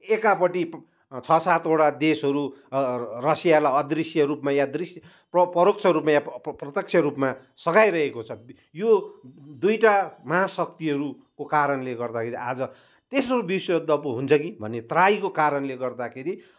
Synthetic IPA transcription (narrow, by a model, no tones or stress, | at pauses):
ekapʌʈi | t͡sʰʌsat̪oʈad̪esɦʌɾu | rʌsijalaʌd̪risjʌɾupmajad̪risjʌ | pʌpʌɾok̚t͡sʰʌɾupmajaprʌt̪jʌk̚t͡ʃʰjʌɾupma | sʌɡajɾʌɦekot͡sʰʌ | jod̪ujʈamʌɦasʌk̚t̪iɦʌɾu | kokaɾʌnleɡʌrd̪akʰeɾiʔad͡zʌ | t̪esʌɾubiswod̪ʱːʌpoɦunt͡sʰʌkibʱʌ̰nːet̪rajkokaɾʌnleɡʌrd̪akʰeɾi